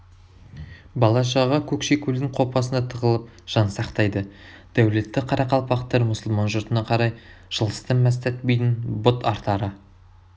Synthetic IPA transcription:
bɑlˠɑʃɑʁɑkʲʰɵkʃe̞kʲʰɵld̪ɪŋqʰo̞pɑsənɑt̪ʰəʁəlˠəp̚ | ʒ̥ɑnsɑqt̪ɑjd̪ə | d̪̥æwle̞t̪ːɪqʰɑɾɑqɑlˠpɑqt̪ɑɾmʊsəlˠmɑnʒʊɾt̪ənɑqʰɑɾɑj | ʒ̥əlˠə̥st̪ɑnmæst̪æt̪bejt̪ɪnbʊt̪ɑɾt̪ɑɾə

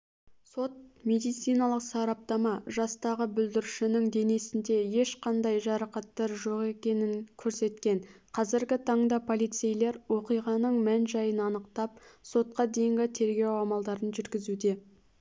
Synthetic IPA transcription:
so̞t̪̚me̞d̪ijt̪sijnɑlˠəqsɑɾɑp̚t̪ɑmɑʒɑst̪ɑʁəbʏld̪ɪɾʃɪnɪŋd̪e̞ne̞sɪnd̪e̞je̞ʃqɑnd̪ɑjʒɑɾɑqɑt̪ːɑɾʒo̞ʁe̞kʲe̞nɪnkʲʰɵɾse̞t̪kʲe̞nqʰɑzɪɾɡʲɪt̪ʰɑɴd̪ɑpʰo̞lˠijt̪sejle̞ɾwo̞qijʁɑnəɴmænʒɑjənɑnəqt̪ɑp̚so̞t̪̚qɑd̪e̞jɪŋɡʲɪt̪ʰe̞ɾɡʲe̞wɑmɑlˠd̪ɑɾənʒʏɾɡʲɪzud̪e̞

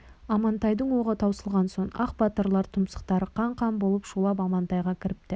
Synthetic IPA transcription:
ɑmɑnt̪ɑjd̪əɴwoʁət̪ʰɑwsəlˠʁɑnso̞ɴɑ̰qbɑt̪əɾlˠɑɾt̪ʰʊmsə̥qt̪ɑɾəqʰɑɴqʰɑmbo̞lˠəpʃulˠɑpɑmɑnt̪ɑjʁɑkʲʰɪɾɪp̚t̪ɪ

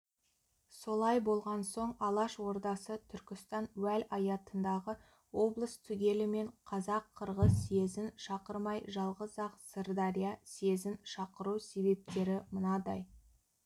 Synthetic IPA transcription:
so̞lˠɑjbo̞lˠʁɑnso̞ɴɑlˠɑʃwo̞ɾd̪ɑsət̪ʰʏɾkʲɪst̪ɑnwælɑjɑt̪ənd̪ɑʁə | wo̞blˠəst̪ʰʏɡʲe̞lɪme̞ɴqʰɑzɑqʰːəɾʁəzːe̞zɪnʃɑqəɾmɑjʒɑlˠʁəzɑqsərd̪ɑɾijase̞zɪnʃɑqəɾuwse̞be̞p̚t̪e̞ɾɪmənɑd̪ɑj

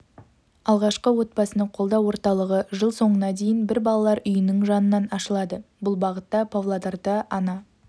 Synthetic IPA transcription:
ɑlˠʁɑʃqəwo̞t̪̚pɑsənəɴqʰo̞lˠd̪ɑwo̞ɾt̪ɑlˠəʁəʒəlˠso̞ɴənɑd̪ejɪnbɪɾbɑlˠɑlˠɑɾʏjɪnɪŋʒɑnənːɑnɑʃəlˠɑd̪əbʊlˠbɑʁət̪ːɑpʰovlˠad̪ɑrd̪ɑʔɑnɑ

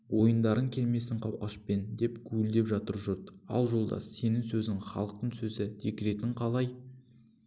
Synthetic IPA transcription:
wo̞jənd̪ɑɾəŋkʲʰe̞lme̞sɪɴqʰɑwqɑʃpe̞nd̪e̞pkʲʰʉɪld̪e̞pʒɑt̪əɾʒʊɾt̪ɑ̰lˠʒo̞lˠd̪ɑ̰se̞nɪŋsɵzɪŋχɑ̰lˠəq̚t̪əɴsɵzɪd̪ʰekʲɪɾe̞t̪ɪɴqʰɑlˠɑj

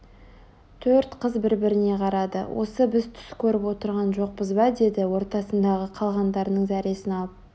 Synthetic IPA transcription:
t̪ʰɵɾt̪qʰəzbɪɾbɪɾɪne̞qʰɑɾɑd̪ə̰wʔo̞̰səbɪzt̪ʰʏ̥skʲʰɵɾɪpwo̞t̪əɾʁɑnʒo̞q̚bəzbɑd̪e̞d̪ɪwo̞ɾt̪ɑsənd̪ɑʁəqʰɑlˠʁɑnd̪ɑɾnəɴzæɾe̞sɪnɑlˠəp̚

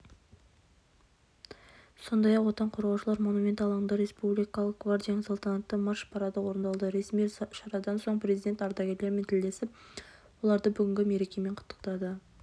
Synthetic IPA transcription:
so̞nd̪ɑjɑqwo̞t̪ɑɴqʰoɾʁɑwʃəlˠɑɾmo̞numʲent̪ɑlˠɴd̪əɾe̞spublijkɑlˠəq̚ɡvard̪ʲijanəsɑlˠt̪ɑnɑt̪ːəmɑʃpʰɑɾɑd̪əwo̞ɾənd̪ɑlˠd̪əɾe̞smijʃɑɾɑd̪ɑnso̞ɴprʲe̞zijd̪ʲe̞nt̪ɑɾd̪ɑɡʲejlemɪnt̪ʰɪld̪e̞sɪp̚wo̞lˠɑɾd̪əbʏɡʲɪŋɡʲɪme̞ɾe̞kʲe̞me̞ɴqʰʊ̥t̪ːə̥qt̪ɑd̪ə

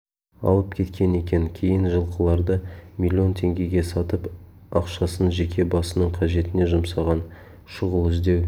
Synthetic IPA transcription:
ɑ̰lˠəp̚kʲʰe̞t̪kʲe̞ne̞kʲe̞ŋkʲʰe̞jɪnʒəlˠqəlˠɑɾd̪əmʲilʲːio̞nt̪ʰe̞ŋɡʲe̞ɡʲe̞sɑt̪əp | ɑqʃɑsənʒe̞kʲe̞bɑsənəɴqʰɑʒe̞t̪ɪne̞ʒʊmsɑʁɑn | ʃʊʁəlˠɪzd̪e̞w

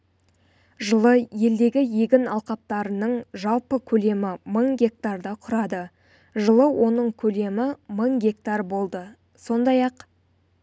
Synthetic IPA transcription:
ʒəlˠəje̞ld̪e̞ɡʲɪje̞ɡʲɪnɑlˠqɑp̚t̪ɑɾənəɴʒɑlˠpəkʲʰɵle̞mɪməɴɡʲe̞k̚t̪ard̪əqʰʊɾɑd̪ə | ʒəlˠəwʔo̞nəɴkʲʰɵle̞mɪməɴɡʲe̞k̚t̪arbo̞lˠd̪ə | so̞nd̪ɑjɑq

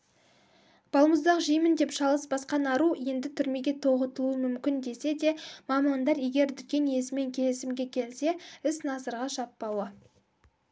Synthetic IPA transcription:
b̥ɑlˠməzd̪ɑqʒijmɪnd̪e̞pʃɑlˠəsbɑsqɑnɑɾuje̞nd̪ɪt̪ʰʏɾme̞ɡʲe̞t̪ʰo̞ʁət̪əlˠuəmʏmkʲɪnd̪e̞se̞d̪e̞mɑmɑnd̪ɑɾje̞ɡʲe̞ɾd̪ʏt̪̚kʲːe̞nje̞sɪme̞ŋkʲʰe̞lɪsɪmɡʲe̞kʲʰe̞lse̞ɪsnɑsəɾʁɑʒɑpːɑwə

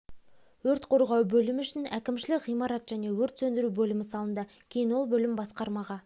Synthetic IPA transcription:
wɵɾt̪qʰo̞ɾʁɑwbɵlɪmʏʃɪnækʲɪmʃɪlɪkʁijmɑɾɑt̪ʒ̥æne̞wɵɾt̪sɵnd̪ɪɾubɵlɪmɪsɑlˠənd̪ɑ | kʲʰe̞jɪnwo̞lˠbɵlɪmbɑsqɑɾmɑʁɑ

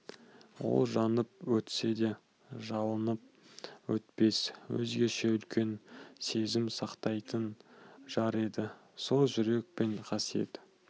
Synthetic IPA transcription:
wo̞̰lˠʒɑnəpwɵt̪se̞d̪e̞ | ʒɑlˠənəp̚ | wɵt̪pe̞swɵ̰zɡʲe̞ʃe̞ʏlkʲe̞nse̞zɪmsɑqt̪ɑjt̪ənʒ̥ɑɾed̪ɪ | so̞ʒʏɾe̞k̚pe̞ɴqʰɑsije̞̰t̪

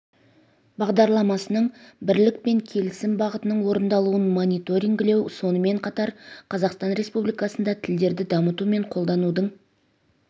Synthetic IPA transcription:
bɑʁd̪ɑɾlˠɑmɑsənəɴbɪɾlɪk̚pe̞ŋkʲʰe̞lɪsɪmbɑʁət̪ənəɴwo̞ɾənd̪ɑlˠuənmo̞nʲijt̪o̞ɾʲiŋɡɪle̞wso̞nəme̞ɴqʰɑt̪ɑɾqʰɑzɑqst̪ɑnɾe̞spublijkɑsənd̪ɑt̪ʰɪld̪e̞ɾd̪ɪd̪ɑmət̪ume̞ɴqʰo̞lˠd̪ɑnud̪əɴ

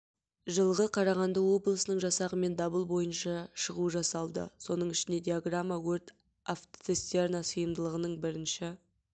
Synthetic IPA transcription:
ʒəlˠʁəqʰɑɾɑʁɑnd̪əwo̞blˠəsənəɴʒɑsɑʁəme̞nd̪ɑbəlˠbo̞jənʃɑʃəʁuəʒɑsɑlˠd̪ə̰so̞nəɴɪʃɪnd̪e̞d̪ʲiaɡramːawɵɾt̪ | aft̪est̪e̞rnasəjəmd̪əlˠəʁənəɴbɪɾɪnʃɪ

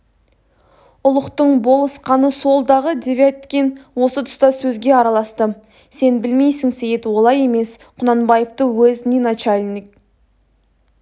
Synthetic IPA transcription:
ʊlˠəqt̪əɴbo̞lˠəsqɑnəso̞lˠd̪ɑʁəd̪evʲat̪kʲenwo̞sət̪ʰʊ̥st̪ɑsɵzɡʲe̞ɑɾɑlˠɑst̪ə | se̞nbɪlmejsɪŋsejet̪wo̞lˠɑje̞me̞s | qʰʊnɑnbɑjəvt̪əwɵznʲinat͡ʃalʲnʲik̚

